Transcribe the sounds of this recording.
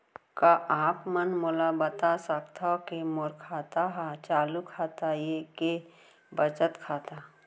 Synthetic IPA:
kaʔaːpmənmolabət̪asəkt̪ʰakemoɾkʰaːt̪aɦat͡ʃaːlukʰaːt̪ajeke | bət͡ʃət̪kʰaːt̪a

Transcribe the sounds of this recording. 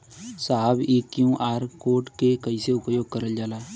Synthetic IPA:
saɦabeːkjũːʔaːɾkoːʈkekəiseʊpjoːɡ̚kəɾəld͡ʒaːlaː

